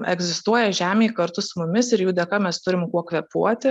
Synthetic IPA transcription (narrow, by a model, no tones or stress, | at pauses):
ɛ̰ɡzʲɪst̪uɔjɛʒʲæːmʲeːikɐɾt̪ʊsʊmʊmʲɪsɪɾjuːd̪ʲɛkɐmʲɛst̪ʊɾʲɪmkuɔkʋʲɛpuɔt̪ʲɪ